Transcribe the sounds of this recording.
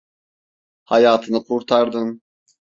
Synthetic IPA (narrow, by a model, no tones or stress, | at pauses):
hajaːt̪ʰɯnɯkʰuɾt̪ʰaɾd̪ɯn